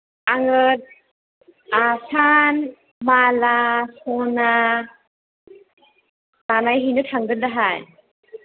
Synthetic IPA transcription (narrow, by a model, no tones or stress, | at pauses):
aŋɯt̚ | asan | malasɔna | manajɦinɯtʰaŋdɯndaɦaj